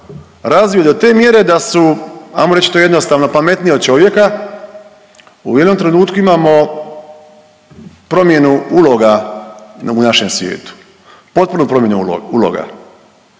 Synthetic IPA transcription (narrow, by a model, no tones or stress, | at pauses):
ɾazʋiod̪ot̪e̞ːmje̞ɾed̪asua̰jmoɾe̞t͡ɕit̪ojenost̪aːʋno̞pame̞t̪niod̪̚t͡ʃo̞ʋje̞ka | ṵjeno̞mt̪ɾe̞nuːt̪kuimaːmo̞ | pɾo̞mje̞nuulo̞ɡa | unaʃe̞msʋje̞̰ːt̪u̥ | po̞t̪̚punupɾomje̞nṵulo̞̰ɡa̰